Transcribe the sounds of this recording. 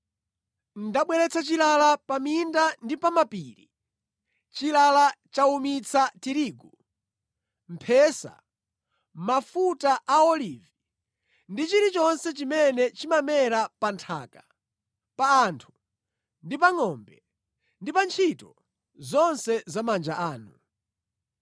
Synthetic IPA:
ndaɓwɛɾɛt͡sʰat͡ʃilalapamindandipamapiːɾi | t͡ʃilalat͡ʃaumit͡sʰatiɾiːɡu | m̩pʰɛːsa̰ | mafutaʔaɔliːvi | ndit͡ʃiɾit͡ʃɔnsɛt͡ʃimɛnɛt͡ʃimamɛɾapantʰa̰ːka | paːntʰu̥ | ndip̬aŋɔmbɛ | ndipant͡ʃʰitɔ | zɔnsɛzamand͡ʒaʔaːnu

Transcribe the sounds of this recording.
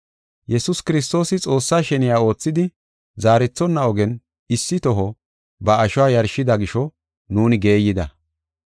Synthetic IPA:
jɛsʊskɪɾɪs̬t̪o̞ːsɪt͡sʼo̞ːsːaːʃɛnɪjaːo̞ːt͡sːɪd̪ɪ | zaːɾɛt͡sːɔnːɐɔɡɛn | ɪsːɪt̪ɔɦɔ | bɐːʃʊwaːjɐɾʃɪd̪ɐɡɪʃɔ | nuːnɪɡe̞ːjːɪd̪ɐ̰

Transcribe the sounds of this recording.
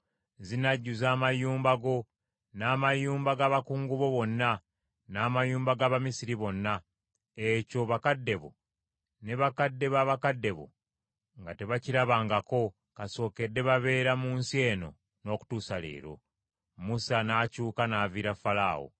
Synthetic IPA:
zinaɟːuzaːmajuːmbaɡo̞ | naːmajuːmbaɡaβakuːŋɡuβo̞βo̞nːa | naːmajuːmbaɡaːβamisiɾiβo̞nːa | eco̞βakadːe̞βo̰ | ne̞βakadːe̞βaβakadːe̞βo̰ | ŋɡate̞βaciɾaβaːŋɡako̞ | kaso̞ːke̞dːe̞βaβe̞ːɾamuːnsie̞ːno̞̰ | no̞ːku̥tuːsale̞̰ːɾo̞̰ | musanacuːkanaːviɾafala̰ːwo̰

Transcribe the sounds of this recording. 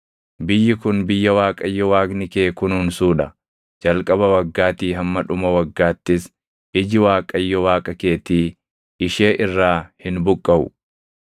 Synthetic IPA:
bɪjːɪkʊnbɪjːɐwaːkʼɐjːɔwaːɡnɪkeːkʊnuːnsuːᶑɐ | d͡ʒɐlkʼɐβɐwɐɡːaːt̪iːɦɐmːɐᶑʊmɐwɐɡːaːt̪ːɪs | ɪd͡ʒɪwaːkʼɐjːɔwaːkʼɐke̞ːt̪iː | ɪʃeːʔɪrːaːhɪnbʊkʼːɐʔʊ̰

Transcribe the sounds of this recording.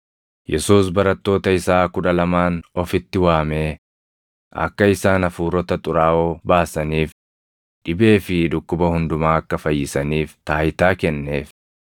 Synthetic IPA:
jɛsuːsbɐɾɐt̪ːo̞ːt̪ɐɪsaːkʊᶑɐlɐmaːnɔfɪt̪ːɪwaːme̞ː | ʔɐ̰kːɐɪsaːnɐfuːɾɔt̪ɐt̪ʼʊɾaːʔoːbaːsɐniːf | ᶑɪbe̞ːfɪᶑʊkːʊbɐhʊnd̪ʊmaːɐkːɐfɐjːɪsɐniːft̪aːjt̪aːkɛnːe̞ːf

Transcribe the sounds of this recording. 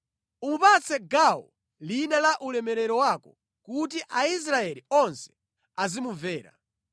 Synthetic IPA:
umupat͡sʰɛɡawɔ̰ | linalaʔulɛmɛɾɛɾɔwakɔ | kut̬iʔais̬ɾaɛliɔnsɛ̥ | azimuvɛːɾa̰

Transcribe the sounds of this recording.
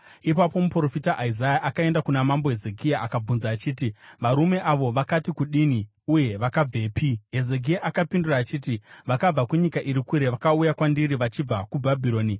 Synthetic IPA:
ipapo̞mupro̞fitaʔaizajaʔakae̞ndakunamambo̞ɦe̞ze̞k̬iaakab͡vunzaːt͡ʃiːtiʋaɾume̞ʔaʋo̞ʋakatikuɗini | uje̞ʋakab͡vʱe̞ːpiɦe̞ze̞k̬iaʔakapinduraːt͡ʃiːtiʋakab͡vakuɲikaʔiɾikuɾe̞ʋakaujakwandiɾiʋat͡ʃib͡vakubʱabʱiɾo̞ːni

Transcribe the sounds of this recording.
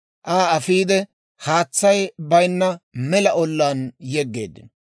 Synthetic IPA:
ʔaːɐfiːd̪ɛ | haːt͡sːɐjbɐjnːɐmɛlɐʔɔlːaːnjɛɡːe̞̰ːd̪ːɪn

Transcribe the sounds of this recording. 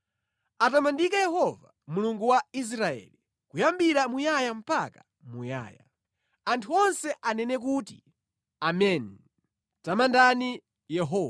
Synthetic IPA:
atamandikajɛhɔva | muluŋɡuwais̬ɾaɛ̰li | kujambiɾamujajam̩paka | muja̰ːja̰ | antʰuɔnsɛʔanɛnɛk̬uːti | amɛni | tamandani | jɛɦɔː

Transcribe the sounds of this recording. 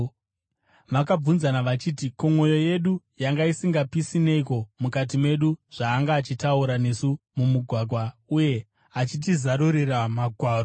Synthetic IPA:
ʋakab͡vunzanaʋat͡ʃiːtikomwo̞jo̞je̞ɗu | jaŋɡaisiŋɡapisine̞iko̞mukat̬imwe̞ɗuʐ̥aːŋɡaːt͡ʃitauɾane̞sumumuɡʱwaɡʱwauje̞ | at͡ʃit̬izaɾuɾiramaɡʱwaːro

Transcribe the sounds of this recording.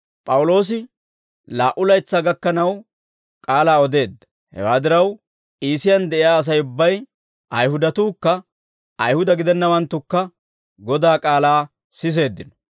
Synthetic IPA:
pʼɐwʊlo̞ːs̬ɪ | laːʔʊlɐjt͡sːaːɡɐkːɐnɐw | kʼaːlaːɔd̪e̞ːd̪ːɐ̥ | hɛ̰waːd̪ɪɾɐw | iːsɪjɐnd̪ɛʔɪjaːɐs̬ɐjʊbːɐj | ʔɐjhʊd̪ɐt̪uːkːɐ | ɐjhʊd̪ɐɡɪd̪ɛnːɐwɐnt̪ːʊkːɐ | ɡɔd̪aːkʼaːlaː | sɪs̬e̞ːd̪ːɪnɔ̥

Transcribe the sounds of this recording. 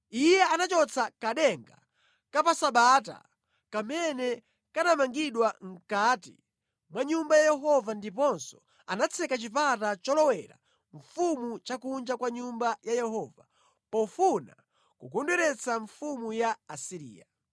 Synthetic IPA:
ijɛanat͡ʃɔt͡sʰakaɗɛŋɡa | kapasaɓat̬a̰ | kamɛnɛ | kanamaŋɡiɗwaŋ̩katḭ | mwaɲumbajajɛɦɔvandip̬ɔnsɔ | anat͡sʰɛkat͡ʃip̬atat͡ʃɔlɔwɛɾa̰ | ɱfumut͡ʃakund͡ʒakwaɲumbajajɛɦɔva | pɔfuna̰ | kukɔndwɛɾɛt͡sʰaɱfumujaːsiɾḭːa

